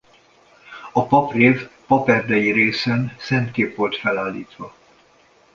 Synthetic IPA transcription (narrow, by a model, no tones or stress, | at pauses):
ɒpɒpreːvpɒpɛrd̪ɛjiɾeːsɛnsɛnt̪keːpʋo̞lt̪fɛlaːlːiːt̪ʋɒ